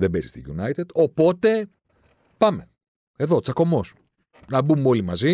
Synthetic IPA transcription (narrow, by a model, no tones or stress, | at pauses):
ðebezi̥st̪iʝunɐjt̪ed̪̥o̞po̞t̪e̞ | pɐme̞ | e̞ðo̞t͡sɐko̞mo̞s | nɐbumeo̞limɐzi